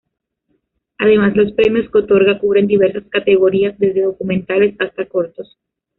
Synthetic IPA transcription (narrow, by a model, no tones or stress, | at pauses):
að̞e̞mazlo̞spɾe̞mjo̞skeo̞t̪o̞ɾɣakuβɾe̞nd̪iβe̞ɾsaskat̪e̞ɣo̞ɾiazd̪e̞zðe̞ðo̞kumẽnt̪ale̞sast̪ako̞ɾt̪o̞s